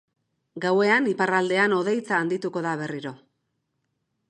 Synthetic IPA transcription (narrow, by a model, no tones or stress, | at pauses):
ɡawe̞aniparald̪e̞ano̞ðe̞jt͡saːnd̪it̪uko̞ðaβ̞e̞riɾo̞